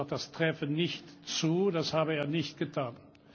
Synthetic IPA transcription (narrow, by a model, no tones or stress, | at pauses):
t̚d̥astʁ̥ɛfənɪçtt͡suːdashaːbəeːɐnɪçt̚ɡ̥ətʰaːn